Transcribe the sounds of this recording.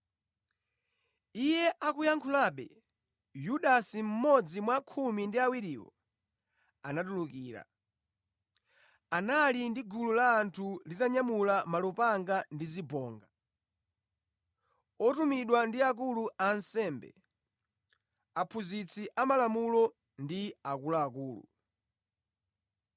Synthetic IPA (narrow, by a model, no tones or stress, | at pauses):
ijɛʔakujaŋkʰulaɓɛ̰ | juɗasim̩mɔd͡zimwakʰumindiawiɾiːwɔ̰ | anatulukiːɾa̰ | analindiɡululaːntʰulitaɲamulamalupaŋɡandizibɔːŋɡa | ɔtumiɗwandiak̬uluansɛːmbɛ̰ | apʰuzit͡sʰiʔamalamulɔ | ndiakulaːkuːlṵ